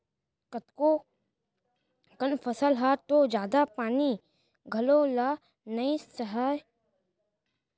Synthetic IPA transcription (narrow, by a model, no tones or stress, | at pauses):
kət̪ko | kənfʰɐsəlɦat̪od͡ʒjaːd̪apaːni | ɡʱɐloːla | nəisɐɦaːj